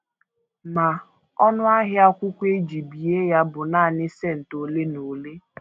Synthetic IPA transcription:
ma˨ | ɔ˦nʊ˦a˦ɦɪ˦a˦kʷʊ˦kʷe˦d͡ʒi˨bi˨e˦ja˦bʊ˨na˦˨nɪ˦se˦˨n̩˨to˨le˦no˨le˦

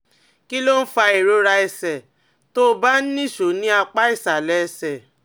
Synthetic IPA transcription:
ki˦lo˦n̩˦fa˧e˨ɾo˨˦ɾa˧ɛ˧sɛ˨ | to˦˧˦ba˦n̩˦nĩ˦˨ʃo˨˦nĩ˦a˧k͡pa˦i˦˨sa˨lɛ˨˦ɛ˧sɛ˨

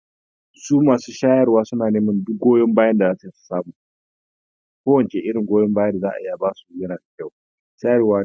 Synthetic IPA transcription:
suː˦maː˨suː˦ʃaː˦jɐ˨rwaː˦sʊ˦naː˨neː˦mɐ˦ndʊ˦k̚ɡoː˦jɔ˦mbaː˦jɐ˦nda˨zaː˦sa˨ji˦su̥˨saː˦muː˨ | kʷoː˦wɐ˨nt͡ʃe˨ʔɪ˦ɽɪ˨ŋɡʷoː˦jɔ˦mbaː˦jɐ˦da˨zaː˦ʔa̰˨i˦a˨baː˦su̥˨˦jɐ˦naː˨da˨kʲɐ˦˨w | ʃaː˦jɐ˨ɾwaː˦

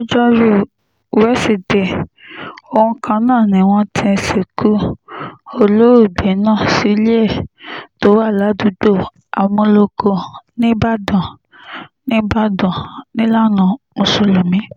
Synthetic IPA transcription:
o˦d͡ʒɔ˦ɾu˦˨ | wɛ˦si˨dɛ˨ | o˨hũ˧kʰã˧nãː˦˨nĩ˨w̃ɔ̃˦tʰĩ˧se˨kʰu˦ | o˧˨lo˦o˦˨bɛ˨˦nãː˦˨si˨˧˦li˦ɛ˦˨to˨˦wa˦˨la˨˦du˨˦do˦˨ | a˨wɔ̃˧lo˧kʰo˧nĩ˦ba˦dɔ̃˨ | nĩ˦ba˦dɔ̃˨nĩ˦la˦nɔ̃˨mo˨so˧lo˨mĩ˨˦

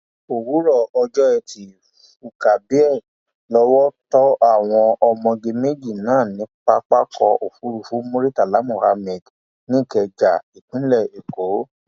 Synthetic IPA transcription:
o˨wu˨˦ɾɔ˦˨ɔ˧d͡ʒɔ˦ɛ˧˨tʰi˨˦ | fu˨ka˨bi˨˦ɛ˦˨ | lɔ˦wɔ˦tɔ˦ʔa˦˨w̃ɔ̃˧ɔ˧mɔ̃˧ɡe˧me˦˨d͡ʒi˦˨nãː˦˨nĩ˨˦k͡pa˦k͡pa˦kʰɔ˧ʔo˨fu˨˦ɾu˧fu˨˦mo˧ɾi˦ta˨la˨˦mo˦˨ha˧mɛ˨d | nĩ˦˨kɛ˧d͡ʒa˨i˨k͡pĩ˨˦lɛ˦˨e˨ko˨˦

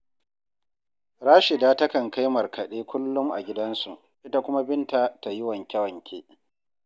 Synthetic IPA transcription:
ɾaː˦ʃɪ˨daː˦tɐ˦kɐ˨ŋka˦jmɐ˨rkʰɐ˨ɗeː˦kʷʊ˦lːʊ˦mʔa̰˨ɡʲɪ˦dɐ˦nsu˨ | ʔɪ˦ta˦kʷʊ˦ma˦bɪ˦nta˨ta˨jɪ˦wɐ˨ŋkʲɐ˦wɐ˨ŋkʲʰeː˦

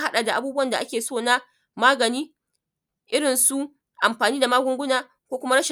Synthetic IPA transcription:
ha˦ɗa˨da˨ʔa˨buː˦bʊ˦wɐ˨nda˨ʔa˦kʲeː˨soː˦˨na˦ | maː˦ɡɐ˨niː˦ | ʔɪ˦ɽɪ˨nsu˦ | ʔa˨mɸaː˨niː˦da˨maː˦ɡʷʊ˦ŋɡʷʊ˦naː˨ | kʷoː˦kʷʊ˦ma˦ɽɐ˦ʃɪ˨

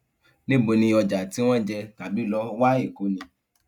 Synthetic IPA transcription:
nĩ˦bo˨˧nĩ˧ɔ˧d͡ʒa˨ti˨˦w̃ɔ̃˦d͡ʒɛ˧ta˨bi˨˦lɔ˦wa˦e˦˨ko˨˦nĩ˧

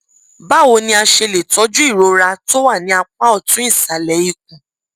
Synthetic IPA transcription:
ba˦˨wo˧nĩ˧a˧ʃe˧le˨tɔ˨˦d͡ʒu˦i˦˨ɾo˧ɾa˧to˦wa˦˨nĩ˨˦a˧k͡pa˦ɔ˦˨tũ˦ĩ˦˨sa˨lɛ˨˦i˧k̚ũ˨

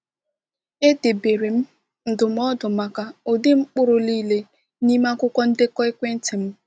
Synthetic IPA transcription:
e˦de˨be˨ɾe˨m̩˦ | n̩˨dʊ˨m̩˦ɔ˦dʊ˨ma˨ka˨o˨dɪ˦ŋ͡m̩˦k͡pʊ˦ɾʊ˨liː˦le˦ | ni˦ma˦kʊ˦kʷɔ˦n̩˦dɪ˦kɔ˦ɪ˦kʷe˦n̩˦tɪ˨m̩˦

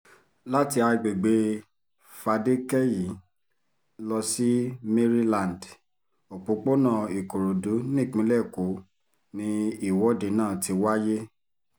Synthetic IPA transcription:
la˦ti˧a˧ɡ͡be˨ɡ͡be˨˦ | fa˧de˦kɛ˦ji˨˦ | lɔ˧si˦me˦ɾi˦lã˨nd | o˨k͡po˨˦k͡po˦nã˦˨i˨ko˨ɾo˨du˨˦nĩ˦˨k͡pĩ˨˦lɛ˦˨ko˨˦ | nĩ˧i˦˨wɔ˨˦de˨˦nãː˦˨ti˧˦wa˦je˦

